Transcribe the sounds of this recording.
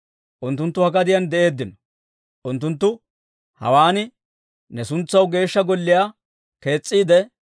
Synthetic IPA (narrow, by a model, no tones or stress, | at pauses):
ʔʊnt̪ːʊnt̪ːʊhɐɡɐd̪ɪjɐnd̪ɛʔe̞ːd̪ːɪnɔ | ʔʊnt̪ːʊnt̪ːʊ | hɐ̰waːnɪ | nɛsʊnt͡sːɐwɡe̞ːʃːɐɡɔlːɪjaː | ke̞ːt͡sʼːiːd̪ɛ